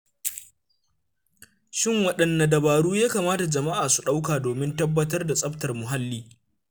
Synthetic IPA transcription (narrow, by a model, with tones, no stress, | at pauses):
ʃɪ˦ŋwɐ˦˨ɗɐ˨nːɐ˨dɐ˨baː˨ɽuː˦jaː˦kaː˨maː˦ta˨d͡ʒɐ˨ma˦ʔaː˨su˨ɗa˦wkaː˨doː˨mɪ˦ntɐ˦bːɐ˦tɐ˦rda˨sʼɐ˦ɸtɐ˨rmʊ˨ɦa˦lːiː˦